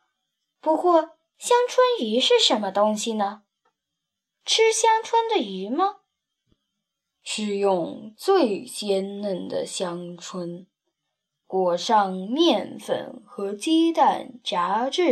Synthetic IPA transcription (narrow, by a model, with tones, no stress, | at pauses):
pu˧˥kwɔ˥˩ | ɕjɑ˥ŋʈ͡ʂʰwə˥ny˧˥ʂɻ̩˥˩ʂə˧˥nmə˧t̪ʊ˥ŋɕi˨nə˩ | ʈ͡ʂʰɻ̩˥ɕjɑ˥ŋʈ͡ʂʰwə˥nd̪ə˨y˧˥mə˧ | ʂɻ̩˥˧jʊ˥˧ŋt͡swe˥˧ɪt͡ɕjɛ˥nnə˥˩nd̪ə̰˩ɕjɑ˥ŋʈ͡ʂʰwə˥n | kwɔ˨˩ʂɑ˥˧ŋmjɛ˥˧nfə̰˥˩nxɤ˧˥t͡ɕɛ˥t̪a˥˩nʈ͡ʂa˧˥ʈ͡ʂɻ̩˥˩